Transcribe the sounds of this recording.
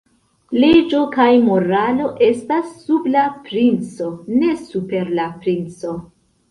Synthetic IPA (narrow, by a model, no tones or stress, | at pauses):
le̞d͡ʒo̞kajmo̞ɾalo̞ʔe̞stasːublapɾint͡so̞ne̞supe̞ɾlapɾint͡so̞